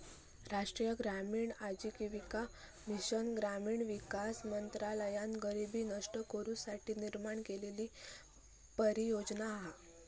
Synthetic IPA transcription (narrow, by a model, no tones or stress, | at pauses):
ɾaʂʈɾiːjəɡɾamiːɳad͡ʑiːkiʋika | miɕənɡɾamiːɳʋikasmənt̪ɾaləjanɡəɾibiːnəʂʈəkəɾusaʈʰiːniɾmaɳkeleliː | pəɾijod͡znaːɦa